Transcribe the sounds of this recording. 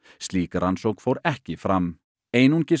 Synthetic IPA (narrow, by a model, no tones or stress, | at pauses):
st̪liːkaɾʔansowkfowɾɛhcɪfɾamː | eːjnuɲcɪ